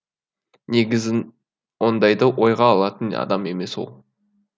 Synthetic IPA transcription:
neɡʲɪzɪn | wond̪ɑjd̪ɑwʔo̞jʁɑːlˠɑt̪ənɑ̰d̪ɑme̞me̞swo̞̰lˠ

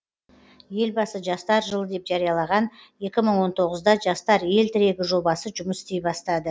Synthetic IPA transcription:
je̞lbɑsəʒɑst̪ɑɾʒəlˠəd̪e̞pʒɑɾijɑlˠɑʁɑnje̞kʲɪməɴwo̞nt̪ʰo̞ʁəzd̪ɑʒɑst̪ɑɾje̞lt̪ʰɪɾe̞ɡʲɪʒo̞bɑsəʒʊməsɪ̥st̪e̞jbɑst̪ɑd̪ə

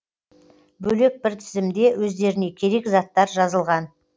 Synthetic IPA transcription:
bɵle̞k̚bɪɾt̪ʰɪzɪmd̪e̞wɵzd̪e̞ɾɪne̞kʲʰe̞ɾe̞kzɑt̪ːɑɾʒɑzəlˠʁɑn

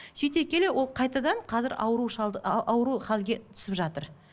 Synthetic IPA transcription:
ʃijt̪e̞kʲe̞le̞wo̞lˠqʰɑjt̪ɑd̪ɑɴqʰɑzɪɾɑ̰wɾuʃɑwɾuχɑlɡʲe̞tt̪ʰʏ̥sɪpʒɑt̪əɾ

